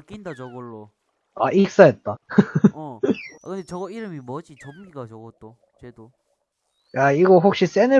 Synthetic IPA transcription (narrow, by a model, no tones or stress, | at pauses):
k͈indat͡ɕʌɡʌɭːo | a̰ʔik̚s͈ajet̚t͈a | kɯndet͡ɕʌɡʌiɾɯmimʌd͡ʑit͡ɕʌmɡiɡat͡ɕʌɡʌt͈o | t͡ɕwedo | jaiɡʌɸok̚ɕ͈is͈enɯ